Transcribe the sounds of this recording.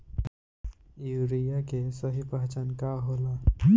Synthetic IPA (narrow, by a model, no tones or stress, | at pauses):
juɾijakesəɦipaɦt͡ʃankaɦola